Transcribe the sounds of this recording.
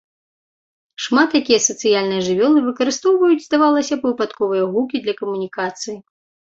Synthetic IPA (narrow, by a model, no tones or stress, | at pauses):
ʂmat̪jakʲijɐsɐt̪sɨjalʲnɨjɐʐɨvʲɔlˠɨvɨkɐɾɨst̪ɔwvɐjud͡zʲzd̪avalˠɐsʲɐpvɨpat̪kɔvɨjɐɣukʲid̪lʲɐkɐmunʲikat̪sɨji